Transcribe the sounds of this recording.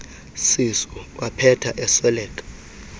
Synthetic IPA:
sisɔwapʰɛtʰaʔɛsɛlɛːkʼḁ

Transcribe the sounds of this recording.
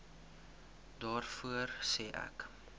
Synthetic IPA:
dɑːrfuərsɛːʔæ̰k

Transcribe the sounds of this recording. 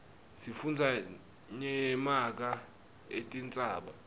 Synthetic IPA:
sifund͡zʱa | ɲɛmak̬a | ḛtʼint͡sʼaːɓa̰

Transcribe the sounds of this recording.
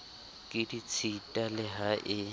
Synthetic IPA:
kʼɪdit͡sʰitʼalɪɦaʔɪ

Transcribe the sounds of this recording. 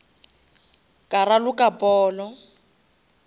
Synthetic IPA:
kʼaɾalʊkʼapʼɔːlɔ

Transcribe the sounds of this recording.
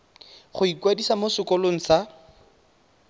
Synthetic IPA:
χʊikwadisamosʊkɔloŋ̩sa

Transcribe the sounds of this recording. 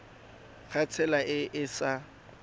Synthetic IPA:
k͡xʰat͡sʰɛlaʔɪʔɪsa

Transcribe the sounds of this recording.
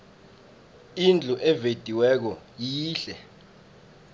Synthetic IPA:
ind͡ɮʱuʔɛved̥ʼʱiwɛk̬ɔjiːɬɛ̰

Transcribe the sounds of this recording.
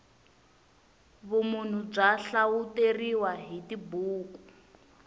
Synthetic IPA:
βumun̤ub͡ʐaɬauteriwaɦitibuːku

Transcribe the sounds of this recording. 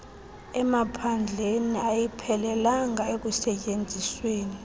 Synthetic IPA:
ɛmapʰand͡ɮʱeniajipʰɛlɛlaŋaek̬usɛcʼend͡zʱisweːni

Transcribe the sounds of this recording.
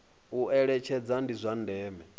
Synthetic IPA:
uʔɛɺɛt͡ʃʰɛd͡zandizʷandɛːmɛ

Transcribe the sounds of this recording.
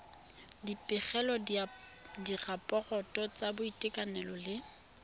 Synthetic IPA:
dipʼɪχɛlɔ | dirapʼɔɣɔtʼɔt͡sʼabʊitʼɪkʼanɛlɔlɪ

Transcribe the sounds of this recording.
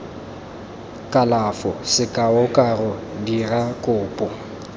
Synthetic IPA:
kʼalafɔsɪkʼaʊkʼarʊdirakʼʊːpʼɔ

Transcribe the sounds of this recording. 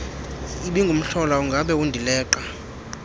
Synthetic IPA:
iɓiŋɡʱum̩ɬɔlauŋɡʱaɓɛwundʱilɛːǃa

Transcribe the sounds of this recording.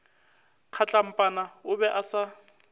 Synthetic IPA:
q͡χʰat͡ɬʼam̩pʼanaʊbɛʔasa

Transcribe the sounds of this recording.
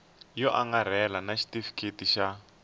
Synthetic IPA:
jɔʔaŋɡar̤ɛlanaʃi̥tifi̥tkʰetiʃa

